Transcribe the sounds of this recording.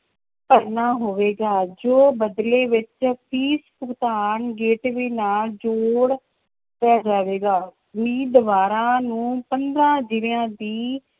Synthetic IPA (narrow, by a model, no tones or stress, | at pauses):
pəɾnaːɦoːʋeːɡaːd͡ʒoːbəd̪leːʋɪt͡ʃpiːspʊkt̪aːnɡeːʈʋiːnaːd͡ʒoːɽ | pɛːd͡ʒaːʋeːɡaː | miːd̪əʋaːɾãːnũːpənd̪ɾãːd͡ʒɪljãːd̪iː